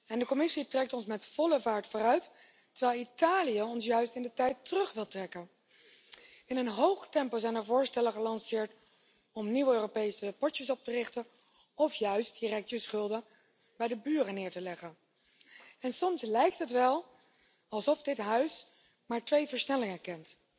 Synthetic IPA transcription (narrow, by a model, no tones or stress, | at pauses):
ɛndəkɔmɪsitrɛk̚tɔnsmɛtfɔləvaːɹtfʊːrœɥt | əɹʋɛjlˠitaːlijəɔns̬jœɥstɪndətɛjtərɵχʋɪlˠtrɛkən | ɪnənɦowχtɛmpolzɛjnəɹvʊːɹstɛləχəlɑnsɪːɹt | ɔmniwøːropejsəpɔtəsɔp̚tərɪχtən | ɔfjœɥst̚dirɛk̚təsχɵlˠdə | bɛjdəbyːrənɪːɹtəlɛχən | ɛnsɔmslɛjk̚tɦətʋɛlˠ | ɑlˠsɔfdɪtɦœɥs | maːɹtʋejvəɹsnɛlɪŋəkɛnt